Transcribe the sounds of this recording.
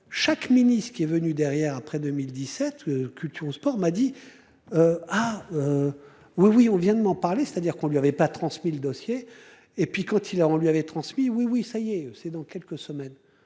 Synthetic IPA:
ʃakminist̪kʲiɛvənyd̪ɛʁjɛʁapχɛd̪ømild̪isɛt̪økʲylt̪ʰyʁospɔʁmad̪i | øaø | wiwiɔ̃vjɛ̃d̪əmɑ̃paʁlese̥t̪ad̪iʁkɔ̃lɥiavɛpat̪χɑ̃smiləd̪ɔsje | epɥikɑ̃t̪ʰilɔ̃lɥiavɛt̪χɑ̃smiwiwisajeøsɛd̪ɑ̃kʲɛlkəsəmɛn

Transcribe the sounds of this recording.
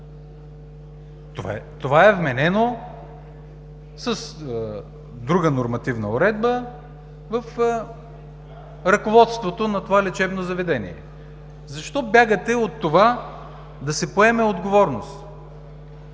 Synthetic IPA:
t̪oat̪ovaɛvmɛnɛno | sɐs | d̪ɾuɡənoɾmɐt̪ivnəoɾɛd̪bə | vəf | ɾɐkovɔt̪st̪vot̪onɐt̪ovalɛt͡ʃɛvnozɐvɛd̪ɛnḭɛ̰ | zɐʃt̪ɔbʲjaɡət̪ɛot̪ːova | d̪ɐsɛpoɛmɛod̪ɡovɔɾnost̪

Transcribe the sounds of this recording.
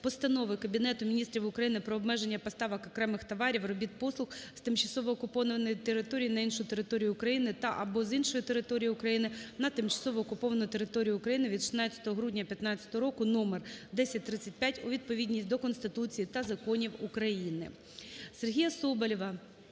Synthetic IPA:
pɔst̪ɐnɔʋɪkɐbʲinɛt̪ʊmʲinʲist̪ʲɾʲiwʊkɾɐjinɪpɾɔːbmɛʒenʲːɐpɔst̪ɑʋɐkɔkɾɛmɪxt̪ɐʋɑɾʲiwrɔbʲit̪̚pɔslˠʊxst̪ɪmt͡ʃɐsɔʋɔːkʊpɔʋɐnɔʋɐnɔjit̪eɾɪt̪ɔɾʲijinɐinʃʊjʊt̪eɾɪt̪ɔɾʲijʊʊkɾɐjinɪt̪ɐʔɐbɔzinʃɔjʊt̪eɾɪt̪ɔɾʲijiʊkɾɐjinɪnɐt̪ɪmt͡ʃɐ̥sɔʋɔːkʊpɔʋɐnʊjt̪e̞ɾɪt̪ɔɾʲijʊːkɾɐjinɪʋʲid̪ʃɪ̥nɑt͡sʲɐ̥t̪ɔɦɔɦɾudʲnʲɐpʲjɐt̪nɑt͡sʲːɐ̥t̪ɔɦɔɾɔkʊnɔmerd̪ɛsʲɐt̚ʲt̪ɾɪt͡sʲːɐtʲpʲjatʲʊʋʲid̪̚pɔʋʲidʲnʲisʲtʲd̪ɔkɔnst̪ɪt̪ut͡sʲijit̪ɐzɐkɔnʲiwukɾɐjinɪ̰ | serɦʲijɐsɔbɐlʲɔʋɐ

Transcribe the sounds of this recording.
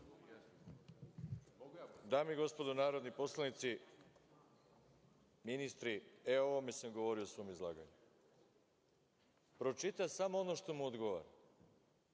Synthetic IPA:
d̪aːmiɡo̞spo̞d̪onaːɾod̪nipo̞slˠanit̪si | minist̪ɾieo̞ʋome̞samɡo̞ʋo̞ɾio̞sʋo̞mizlˠaːɡa̰ɲu | pɾo̞t͡ʃit̪asamoono̞ʃt̪o̞muod̪ɡo̞ʋa̰ɾa

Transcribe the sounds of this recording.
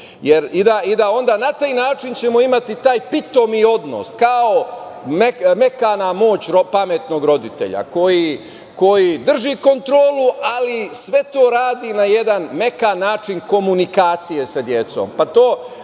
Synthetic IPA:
jeɾid̪aid̪ao̞nd̪aːnat̪aːjnaːt͡ʃint͡ɕe̞mo̞imat̪it̪aːjpit̪o̞mio̞d̪no̰skaomeme̞kanamo̞ːt͡ɕɾopame̞t̪no̞ɡɾo̞d̪it̪e̞̰ʎa̰ko̞ji | ko̞jid̪r̩ʒiko̞nt̪ɾo̞ːluʔalisʋe̞t̪o̞ːɾaːd̪inaje̞d̪anme̞kanːaːt͡ʃinko̞munikaːt̪sijesad̪je̞t̪so̞̰mpat̪oː

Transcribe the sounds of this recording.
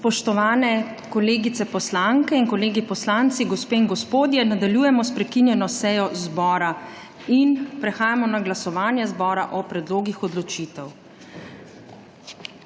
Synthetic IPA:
spɔʃt̪ɔʋaːnɛ | kɔleːɡit̪sɛpɔslaŋkɛinkɔleːɡipɔslant̪siɡɔspeːinɡɔspoːd̪jɛnad̪aljujɛmɔspɾɛkinjɛnɔsɛjɔzbɔːɾa | inpɾɛxaːjamɔnaɡlasɔʋaːnjɛzbɔːɾaʔɔpɾɛd̪loːɡixɔd̪lɔt͡ʃiːt̪ɛw

